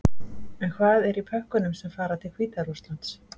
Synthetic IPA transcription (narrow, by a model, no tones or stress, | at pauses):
ɛnkʰvaːðɛɾipʰœhkʏnʏmsɛmfaːɾat̪ʰɪlkʰv̥iːt̪aɾust̪lant̪s